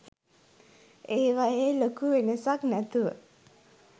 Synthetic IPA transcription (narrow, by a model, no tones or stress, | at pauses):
eːʋajeːlokuʋenəsaknæt̪uʋə̰